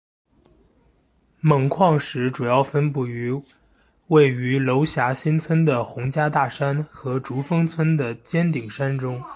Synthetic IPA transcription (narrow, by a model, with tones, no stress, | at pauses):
mɤ˨˩ŋkʰwɑ˥˩ŋʂɻ̩˧˥ʈ͡ʂu˨˩jɑ˥˩ʊfə˥npu˥˩y˧˥ | we˥˩ɪy˧˥lo˧˥ʊɕja˧˥ɕi˥nt͡sʰwə˥nd̪ə˨xʊ˧˥ŋt͡ɕja˥t̪a˥˩ʂa˥nxɤ˧˥ʈ͡ʂu˧˥fɤ˥ŋt͡sʰwə˥nd̪ə˨t͡ɕjɛ˥nt̪i˨˩ŋʂa˥nʈ͡ʂʊ˥ŋ